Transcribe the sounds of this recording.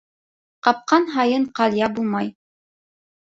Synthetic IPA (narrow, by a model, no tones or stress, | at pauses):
qɑp̚qɑnɦɑjɤɴqɑlʲˠjɑbulˠmɑj